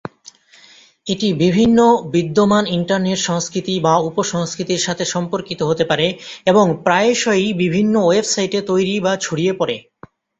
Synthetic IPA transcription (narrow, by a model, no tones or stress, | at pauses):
eʈibibʱinːobid̪ːomaniɳʈaɾneʈʃɔŋskɾit̪ibaupoʃɔŋskɾit̪iɾʃat̪ʰeʃɔmpoɾkit̪oɦot̪epaɾeeboŋpɾaeʃɔjbibʱinːowebsajʈet̪ojɾibat͡ɕʰuɽiepɔɾḛ